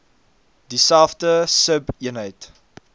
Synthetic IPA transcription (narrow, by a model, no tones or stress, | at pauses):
disælˠfdəsəbiənɦəjt